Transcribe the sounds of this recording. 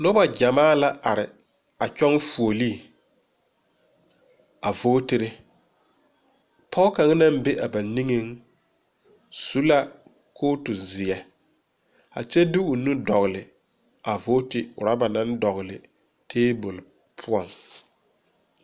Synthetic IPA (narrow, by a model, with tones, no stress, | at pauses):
nʊ˦ba˨ɟa˨maː˦la˦ʔa˨ɾɪ˨ | a˨t͡ʃᶣɔ˦ŋfu˨o˨li˦˨ | a˨vo˦tɪ˦ɾɪ˦ | pʰɔ˦ka˨ŋ˦nã˦m˦be˦ʔa˨ba˨ni˦ŋe˦ŋ | su˦la˦ | kʰoː˦tʊ˨zɪ˨ɛ˨ | a̰˨t͡ʃɛ˦dɪ˦ʊ˨nu˦dɔ˨ɣlɪ˨ | a˨vo˦tɪ˨ʊ̰˨ɾa˦ba˨na˦ndɔ˨ɣlɪ̰˨ | tʰeː˦bʊ˨l | pʰʊ˦ɔ˨ŋ